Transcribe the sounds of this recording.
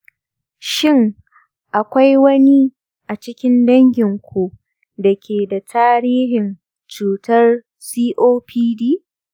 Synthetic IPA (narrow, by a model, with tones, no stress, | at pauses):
ʃɪ˦˨ŋ | ʔa˨kʷa˦jwɐ˦ni˦ | ʔa˨t͡ʃɪ˦kʲɪ˦ndɐ˦ŋɡʲɪ˨ŋkʷu˨ | dɐ˨kʲeː˨da˨tʰaː˦ɾiː˦ɦɪ˨n | t͡ʃuː˨tɐ˦r | siː˦ʔoː˦pʰiː˦diː˦